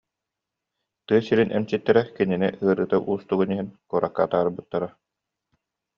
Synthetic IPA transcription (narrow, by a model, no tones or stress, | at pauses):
t̪ɯːsiɾinʔɛ̰msit̪ːɛɾɛkininɛ̰ɯɐɾɯːt̪aʔuːst̪uɡuniɦinkuːɾʔakːaːt̪aːɾbɯt̪ːaɾa